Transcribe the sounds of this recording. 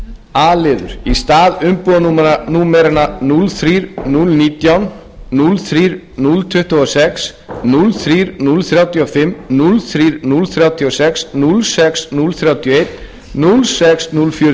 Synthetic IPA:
aːlɪːðʏ̰ɾ̥ist̪aːðʏmpɔðanumananuːmɛɾananulθɾiːɾnulniːt̪jawn | nulθɾiːɾ | nult̪ʰʏht̪uɔsɛks | nulθɾiːɾnulθɾjawt̪ʰiɔfɪmːnulθɾiːɾnulθɾjawt̪ʰiɔsɛksnulsɛksnulθɾjawt̪ʰjiɔejt̪ | nulsɛksnulfjʏːɾ

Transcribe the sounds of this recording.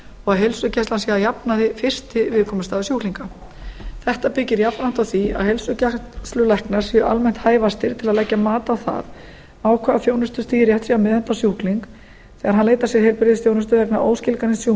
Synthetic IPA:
ɔɣaðɦelsʏcɛhst̪lansjɛajapnaðɪfɪr̥t̪ɪvɪðkʰɔːmʏst̪aːðʏsjuhkliŋka | θɛht̪apɪcːɪɾjapanam̥t̪awθia̰ðhejlsʏcɛst̪lʏlɛhknaɾ̥sjʏʔa̰lmɛn̥t̪haːjvast̪ɪɾ̥t̪ʰɪlaðlɛcːamaːt̪aːwθa̰ð | maːwkʰvɛːɣafjoːwnʏst̪ʏst̪iːɾjɛht̪siamɛðɛn̥t̪asjuhkliŋk | θɛɣaɾ̥ɦanleːjt̪asjɛɾ̥hejlpɪɾɪðɪsfjownʏst̪ʏlɛhknaɾʔo̰ːwscɪlkanɪnsju

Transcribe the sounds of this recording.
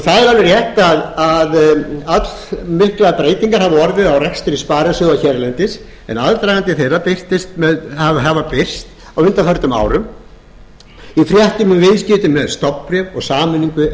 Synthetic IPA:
θaðɪlanɪɾjɛht̪aðaðat̪lmɪhklaðpɾeːjt̪iŋkaɾ̥havaɔɾvɪðawrɛkst̪ɪɾispaːɾasʏɣaçɛɾlɛnt̪ɪs | ɛ̰naðɾt̪ɾajɣant̪ɪθejrːapɪr̥t̪ɪst̪mɛðhavɦavapɪr̥t̪ | awʏnt̪afœɾt̪ʏma̰ːwɾʏm | ifɾjaht̪imʏmvɪðscɪt̪ʏmːɛðst̪ɔpːpɾjɛvɔɣsaːmʏnːiŋkʏ

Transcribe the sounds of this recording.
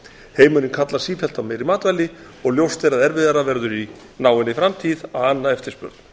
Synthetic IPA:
heːjmʏɾɪnkʰat̪lḁsiːfɛl̥t̪amɛɾimaːt̪vajlːɪ | ɔɣljowst̪eɾaðɛɾvɪðaɾavɛɾðʏɾi | naːwɪnɪfɾamt̪ʰiðawanːaɛft̪ɪɾspʏ̰ɾt̪n̥

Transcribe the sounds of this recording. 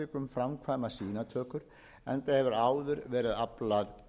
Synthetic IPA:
ɪːkʏmfɾamkʰvaːjmasiːnat̪ʰœːkʏɾ̥ | ɛ̰nt̪ahɛvʏɾaːwðʏɾvɛːɾɪðaplað

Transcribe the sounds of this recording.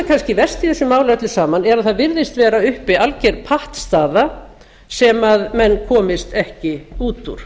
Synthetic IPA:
kʰanscɪvɛ̥st̪iθɛsːʏmaːwlaœt̪lʏsaːmanɛɾaðθaðvɪɾðɪst̪vɛːɾaʏhpɪalcɛɾ̥pʰaht̪st̪aːða | sɛmaðmɛnːkʰɔːmɪst̪ɛhcɪuːt̪ṵɾ̥

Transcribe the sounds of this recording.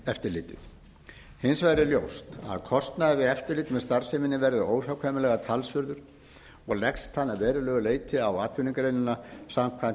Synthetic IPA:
ɛft̪ɪɾlɪ̰ːt̪ɪ̰θ | hɪnsvaɾɪljowst̪a̰ðkʰɔst̪naðvɪɛft̪ɪɾliːt̪mɛðst̪aɾ̥semɪnːɪvɛɾððʏoːwfjawkʰvɛːmɪlɛɣat̪ʰalsvʏɾðʏɾ̥ | ɔɣlɛkst̪hanːavɛːɾɪlœːɣʏleːjt̪ɪawaːt̪ʰʏniŋkɾejnʏnasamkʰvan

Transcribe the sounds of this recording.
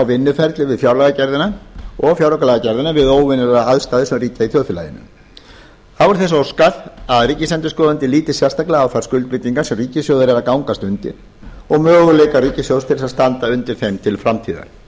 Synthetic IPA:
awvɪnːʏfɛɾt̪lɪvɪðfjawɾlaɣacɛɾðɪnaɔɣfjawɾɔkalɛɣacɛɾðɪnavɪðoːwvɪnɪɾaaðst̪aːðɪsɛmriːt̪aiθjœwθʏla̰jɪ̰nʏ̰m | θaðvɔɾ̥θɛs̬owskaðaðriːcɪslɛnt̪ʏskɔːðant̪ɪliːt̪ɪsjɛrst̪aklɪɣawθaɾ̥skʏlt̪pɾɪt̪iŋkasɛmriːcɪsjowðʏɾɛɾakawŋkast̪ʏnt̪ɪ̰ɾ̥ | ɔɣmœːɣʏlejkariːcɪsjowst̪ʰɪɾɪsaðst̪ant̪aʏnt̪ɪɾ̥θejmt̪ʰɪlfɾamt̪ʰiːða̰ɾ

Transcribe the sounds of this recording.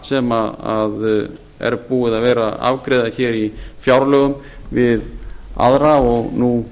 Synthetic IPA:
sɛmaað | ɛ̰ɾpuːɣɪðavɛːɾaa̰vkɾeðaçɛːɾifjawɾlœːɣʏm | vɪða̰ðɾaːɔɣnu

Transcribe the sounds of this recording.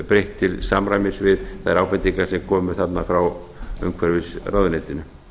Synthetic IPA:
pɾejht̪ʰːɪlsamɾajmɪsvɪðθaðɛɾawpɪt̪ːiŋkasɛmkʰɔːmʏθat̪nafɾawœ̰ŋkʰvɛɾvɪsraːwðʏnet̪ɪnʏ

